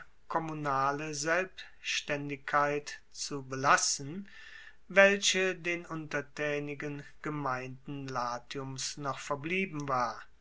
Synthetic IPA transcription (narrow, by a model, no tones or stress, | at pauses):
kʰɔmunaːləzɛlp | ʃtɛndɪkʰːaɪtt͡subəlasən̩ | vɛlɕədeːnʔʊntɐtʰɛːnɪɡənɡ̥əmaɪndn̩laːtʰiʊmsnɔχfɛɐbliːbm̩vaːɐ